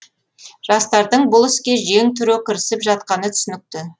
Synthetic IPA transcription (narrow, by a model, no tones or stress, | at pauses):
ʒ̥ɑst̪ɑɾd̪əɴbʊlˠɪskʲe̞ʒeŋt̪ʰʏɾokʲʰɪɾɪsɪpʒɑt̪qɑnət̪ʰʏ̥sɪnɪk̚t̪ɪ